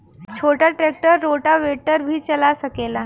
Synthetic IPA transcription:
t͡ɕʰoʈaʈɾek̚ʈəɾːoʈaʋeʈəɾbʱiːt͡ɕəlasəkela

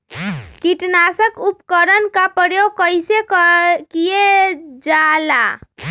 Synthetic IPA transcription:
kiʈnasəkupkəɾənkapəɽeokəjsekkijed͡ʒala

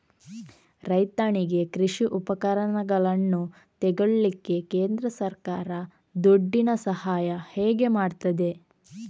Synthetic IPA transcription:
ɾɐjt̪aːɳiɡe̞kɾiʂiʔupɐkɐɾɐɳɐɡɐɭɐnːu | t̪ɛɡɐɭːikːe̞keːnd̪ɾɐsɐɾkaːɾɐ | d̪oɖːinɐsɐhaːjɐheːɡe̞maːɖt̪ɐd̪e̞

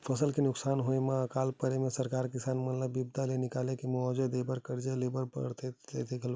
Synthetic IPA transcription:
pʰəsəlkenʊksanɦoemeəkalpəɾemesəɾkaɾkisanmət̪ləbːibd̪ʱalenikalekemuɔd͡ʒod̪ebəɾkəɾd͡ʒelebəɾpə̰ɽt̪ed͡ʒa̰t̪ʰekʰəl

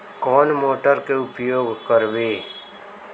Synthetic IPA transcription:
kɔːnmoːʈəɾkeʊpjoːɡʱkəɾʋeː

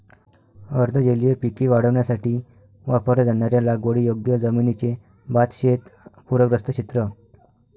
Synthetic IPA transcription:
əɾd̪ʱəd͡ʑelijepikiʋaɽ̤əʋɳjasaʈiː | ʋapəɾad͡zaɳjaɾjalaɡʋəɽijoɡjəd͡zəminit͡se | bat̪ɕet̪puɾəɡɾəst̪ət͡ɕit̪ɾə

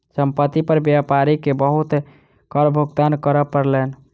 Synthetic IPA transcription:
səmpət̪ːipəɾbjapaɾikebəɦut̪ | kəɾbʱuɡt̪ankəɾəpəɾlen

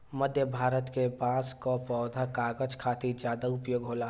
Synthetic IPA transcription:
məd̪ʱjəbʱaːɾət̪kepaːskopɔːd̪ʱakaːɡəd͡ʒkʰaːt̪id͡ʒjaːd̪aʊpjoːɡɦoːlaː

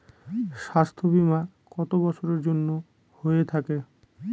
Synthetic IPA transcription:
ʃast̪ʰobimaɾ | kɔt̪obɔt͡ɕʰoɾeɾd͡ʑonːo | hojet̪ʰake

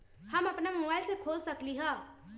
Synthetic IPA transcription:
həməpnamubaɪlsekʰolsəkliɦə̃

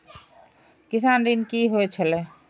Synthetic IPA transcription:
kis̬and̪inkiɦoɛt͡ʃʰəlɛ

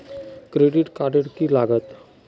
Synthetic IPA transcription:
kɾeɖiʈkaɖeɽkilaɡət̪

